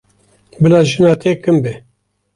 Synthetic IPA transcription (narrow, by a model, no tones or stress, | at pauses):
bɨlɑːʒɨnɑːt̪ʰeːkɨmbɛ